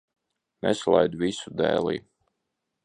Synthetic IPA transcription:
nɛslˠa̰jd̪visud̪ɛ̰ːlˠḭː

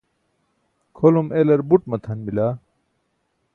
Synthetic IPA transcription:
kʰolumelɐɾbuʈ̚mɐt̪ʰɐnbila

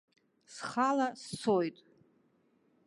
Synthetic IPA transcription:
sχalast͡sʰojtʼ

